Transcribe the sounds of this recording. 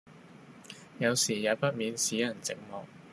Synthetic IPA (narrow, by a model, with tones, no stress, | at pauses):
jɐ˨˧wsiː˨˩jaː˨˧pɐ˥t̚miː˨˧nsiː˨˥jɐ˨˩nt͡sɪ˨k̚mɔː˨k̚